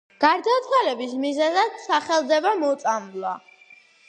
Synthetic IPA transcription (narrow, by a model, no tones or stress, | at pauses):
ɡ̥aɾd̪at̪ʰwalɛbismizɛzad̪saχɛlˠd̪ɛbamɔt̪sʼamlˠwa